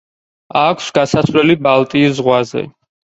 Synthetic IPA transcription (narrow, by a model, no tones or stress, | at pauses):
akʷʰsɡasasvlɛlibalˠt̪ʼiːszʁwazɛ̰